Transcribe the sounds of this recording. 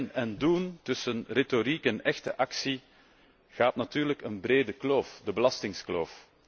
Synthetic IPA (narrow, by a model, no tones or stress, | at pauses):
nɛnduntʏsənreːtoɾikɛnɛxtəʔɑksi | ɣaːtnatyːrləkənbreːdəkloːfdəbəlɑstɪŋskloːf